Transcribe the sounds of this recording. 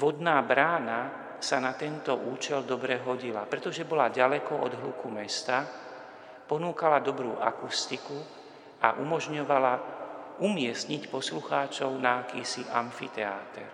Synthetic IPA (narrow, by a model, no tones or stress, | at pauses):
ʋɔd̪naːbɾaːna | sanat̪ɛnt̪ɔʔuːt͡ʃɛld̪ɔbɾɛɦɔɟila̰pɾɛt̪ɔʒɛbɔlaɟalɛkɔʔɔ̰d̪ɦlukumɛst̪a | pɔnuːkalad̪ɔbɾuːʔa̰kust̪iku | ʔa̰ʔumɔʒɲɔʋalaumɪɛstɲicpɔsluxaːt͡ʃɔʊnaːkiːsiʔaɱfit̪ɛa̰ːt̪ɛ̰ɾ